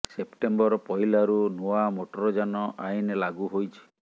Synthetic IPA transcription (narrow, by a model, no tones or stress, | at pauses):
sepʈembɔɾɔpɔɦilaɾunuamoʈɔɾɔd͡ʒanɔʔajnlaɡuɦojt͡ʃʰi̥